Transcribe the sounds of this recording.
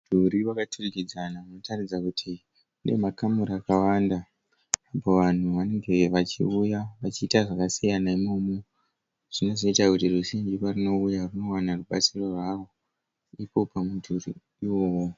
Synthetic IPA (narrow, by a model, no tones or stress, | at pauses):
dʱuɾiwakatʰurikid͡zanaano̞tarid͡zakutʰi | une̞makamuɾaːkawandaː | po̞ʋan̤uʋane̞ŋɡe̞ʋat͡ʃḭujaʋat͡ʃiːtaʐakasijanaimo̞ːmo | ʐ̥ino̞ʐo̞itakutiruʃiɲd͡ʒiparino̞ujaruno̞wanaruɓat͡siro̞rwaro̞ | ipo̞pamudʱuri | iwo̞ːwo